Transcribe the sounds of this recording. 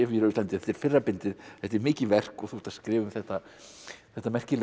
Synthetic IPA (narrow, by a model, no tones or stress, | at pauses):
ɛfiɾaist̪ant̪ɪθɛt̪ːɛɾ̥fɪrːapɪnt̪ɪðθɛht̪ːɛɾmɪːcɪvɛr̥kɔθust̪askɾɪːvʏmθɛht̪ːa | θɛht̪ːamɛr̥cɪl